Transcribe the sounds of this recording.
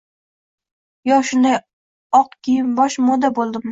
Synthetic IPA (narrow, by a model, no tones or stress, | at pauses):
jɒʃʊnd̪aj | ɒqkʲʰijɪmbɒʃmod̪abolˠd̪ɪm